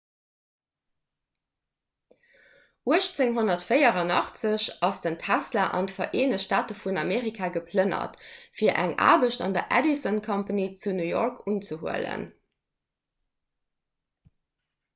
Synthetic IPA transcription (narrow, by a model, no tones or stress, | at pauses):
ʔuəʃt͡seŋɦonɐtfəɪɐʁɑnɑχt͡səɕɑsd̥əntʰæslaʔɑ̰ndəfɐʔeːnəʃtaːtəfunɑmeːʁikʰaːɡəpʰlənɐ̰tfiːɐʔæŋa̰ːbəɕtɑ̰ndɐʔædisonkʰɑmpanit͡sunujɔɹkʰunt͡səɦuələ̰n